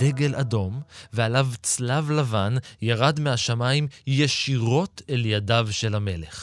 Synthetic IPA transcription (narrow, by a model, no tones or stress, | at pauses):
deɡelʔado̞mvealavt͡slavlavanjaʁad̪meaʃamaimjeʃiʁo̞tʰeljadavʃe̞lhame̞leχ